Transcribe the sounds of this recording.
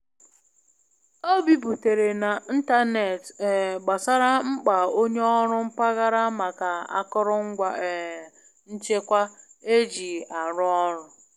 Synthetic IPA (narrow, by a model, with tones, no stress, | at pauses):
o˦bi˨bu˨te˨ɾe˨na˨n̩˦ta˦ne˨tɡ͡ba˨sa˦ɾa˦ŋ͡m̩˦k͡pa˨o˦ɲe˦ɔ˦ɾʊ˦ŋ͡m̩˦pa˦ɣa˦ɾa˦ma˨ka˨a̰˦kʊ˦ɾʊ˦ŋ̩˦ɡʷa˦˨ | n̩˦t͡ʃe˦kʷa˦e˦d͡ʒi˨a˨ɾʊ˦ɔ˦ɾʊ˨